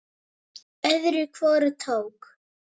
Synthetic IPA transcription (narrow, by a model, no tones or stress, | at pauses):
ɛðɾʏkʰvɔːɾʏt̪ʰoːwk